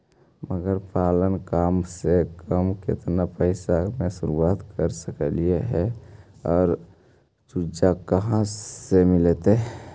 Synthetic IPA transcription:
məɡəɾpaːlənkaːmsekʰəmkɪ̰t̪napəɪsamẽsʊɾuaːt̪kəɾsəkəlieɦɛɔːɾ | t͡ʃud͡ʒakəɦãemɪlet̪e

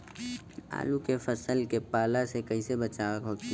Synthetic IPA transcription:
a̰ːlukefəsəlkepaːlasekəɦĩsebət͡ʃaəkɦot̪i

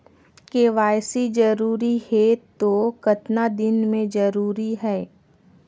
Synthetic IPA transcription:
keʋaːjsid͡ʒɐɾuːɾihet̪oːkɐt̪nad̪ɪnmẽd͡ʒɐɾuːɾiɦɛː

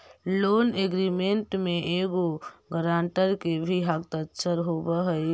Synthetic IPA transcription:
loːneɡɾimeɳʈmeʔeɡoɡəɾaɳʈəɾkebʱiɦak̚t̪ətːʃʰəɾɦobəɦəj

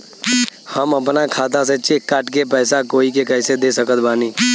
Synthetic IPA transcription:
həmɐpnakʰaːt̪̬as̬et͡ʃekːaːʈkepɛːsakoːikekɛɪsed̪esəkət̪̚baːniː

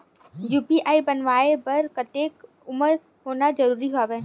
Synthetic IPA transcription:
juːpiʔaːibənʋaːebɐɾkət̪eːk | ʊməɾ | ɦoːnad͡ʒəɾuːɾiɦaːʋeː

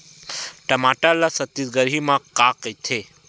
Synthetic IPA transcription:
ʈɐmaʈalasət̪ːisɡəɾimãkaːkət̪ʰe

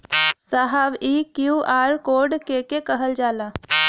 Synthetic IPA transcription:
saɦaʋiːkjuʔaːɾkoːɾɖkeːkekəɦəld͡ʒaːlaː

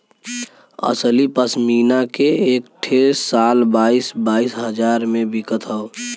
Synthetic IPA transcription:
ə̰slipəsmiːnakeeːk̚ʈʰeːsaːlbaːisbaːisɦəd͡ʒaːɾmẽbɪkət̪ɦəo

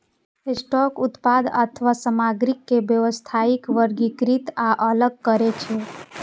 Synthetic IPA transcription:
esʈɔkut̪pad̪ə̰t̪ʰʋasəmaɡɾikːebjəʋəst̪ʰaikʋəɾɡikɾit̪aʔələɡ̚kəɾet͡ʃʰe

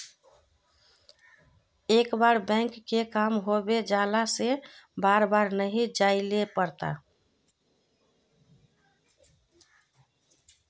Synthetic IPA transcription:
ekbaɾbɛ̃ŋkːekamɦobed͡ʒalasebaɾbaɾnəɦid͡ʒailepəɾt̪a̰

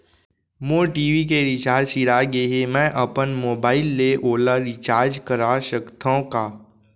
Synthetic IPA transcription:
moːʈiːʋik̬eɾɪt͡ʃaːɾsiɾaɡeɦemɛ̃ʔəpənmoːbaːɪlːeʔoːlaɾɪt͡ʃaːɾd͡ʒkəɾaʃəkt̪ʰõkaː

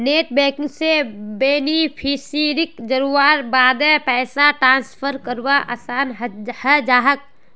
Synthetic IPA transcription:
neːʈbɛ̃ːkɪ̃ŋsebeːnipʰiːsiɾɪkd͡ʒəɾuaːɾbaːd̪ɛ̃pɛːsaʈɾãːnspʰəɾkəɾwaʔasaːnɦhɛd͡ʒaːɦək̚

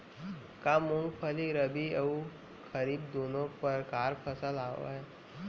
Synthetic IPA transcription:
kaːmʊ̃ŋɡpʰəliɾəbʱiəu | kəɾiːbd̪oːnõpəɾkaːɾpʰəsəlaːo̰ɦɛː

